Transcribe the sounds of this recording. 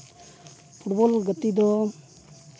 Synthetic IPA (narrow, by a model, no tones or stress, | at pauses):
pʰuʈbɔlɡət̪id̪ɔ